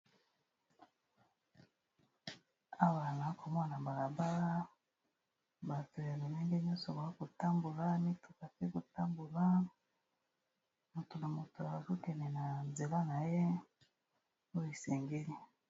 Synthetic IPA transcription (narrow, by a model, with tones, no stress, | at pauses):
a˦βa˨na˨˦ko˨m˦a˦˨na˨ba˨la˨ba˦ɾa˦ | ba˨tu˨ja˨ni˨ne˦ŋɡe˦ɲɔ˦so˨ba˨a˦ku˨ta˦mbu˨la˦mi˦tu̥˨ka˨ke˦ku˨ta˦mbu˨la˦ | mu˨tu˨na˨mu˨tu˨a˨βa˨zu˦ke˨ne˨na˨nze˨la˦na˨je˦ | o˦i˨se˨ŋɡe˦li˨